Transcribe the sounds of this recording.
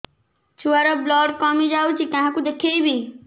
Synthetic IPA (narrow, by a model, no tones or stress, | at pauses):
t͡ʃʰuaɾɔblɔːɖkɔːmid͡ʒaːut͡ʃʰikãɦãkud̪ekʰeibʱi